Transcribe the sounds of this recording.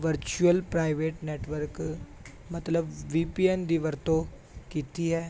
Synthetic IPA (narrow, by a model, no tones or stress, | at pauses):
ʋəɾt͡ʃuəlpɾaːɪʋeːʈneːʈʋəɾk | mɐt̪ləbʋiːpiːɛnd̪iʋəɾt̪o | kiːt̪iɦɛː